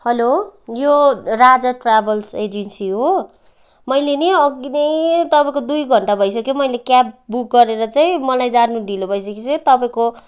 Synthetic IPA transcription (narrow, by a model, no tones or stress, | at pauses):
hʌlojorad͡zʌʈrabʌlsed͡ʒinsiɦo | mʌjleniʌɡinejt̪ʌpãĩkod̪ujɡʱʌɳʈabʱʌjs̬ʌkjomʌjlekjap̚buk̚ɡʌɾeɾʌt͡saĩmʌlajd͡zarnuɖilobʱʌjs̬ʌket͡sʰʌt̪ʌpaĩko